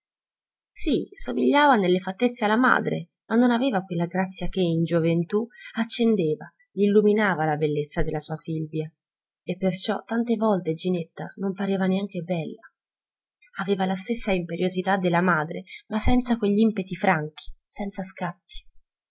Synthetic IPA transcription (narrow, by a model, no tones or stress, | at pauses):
sisomiʎːaːvanelːefat̪ːet̪sːealːama̰ːd̪ɾḛ | manːonavɛːvakwelːaɡɾat̪sːjakeind͡ʒovent̪uat͡ʃːend̪eːva | ilːuminaːvalabelːet̪sːad̪elːasuːasilvja | epːert͡ʃɔt̪ːant̪evɔlt̪ed͡ʒinet̪ːa̰nompaɾeːvaneaŋkebɛlːa | aveːvalast̪esːaimpeɾjozit̪ad̪ːelːamaːd̪ɾemasɛnt̪sakweʎːimpet̪ifɾaŋk̟i̥sɛnt̪saskat̪ːi̥